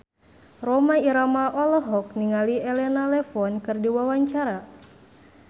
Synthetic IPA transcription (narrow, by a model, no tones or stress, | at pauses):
romaiɾamaʔɔləɦɔk̚niŋaliɛlɛnalɛfɔnkɨrdiwawaɲt͡ʃaɾa